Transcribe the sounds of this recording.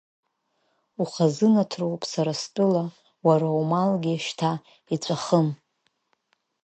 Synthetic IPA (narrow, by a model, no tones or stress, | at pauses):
uχazɨnatʰrowpʼsaɾastʷʼʊla | waɾaumalɡʲiʃtʰa | it͡sʷʼaχəm